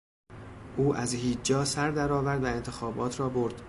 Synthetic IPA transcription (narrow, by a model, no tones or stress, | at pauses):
ʔuːʔæzhiːd͡ʒd͡ʒɒːsæɾd̪æɾɒːvæɾd̪væe̞nt̪ʰe̞xɒːbɒːt̪ʰɾɒːboɾd̪̥